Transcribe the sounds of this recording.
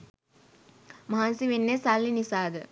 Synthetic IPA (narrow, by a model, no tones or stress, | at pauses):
maɦansiʋenːesalːinisaːd̪ə